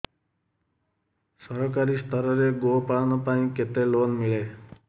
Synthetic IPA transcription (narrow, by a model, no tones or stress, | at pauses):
sʌɾɔkaɾist̪ʰʌɾʌɾeɡopanupaĩket̪elonmile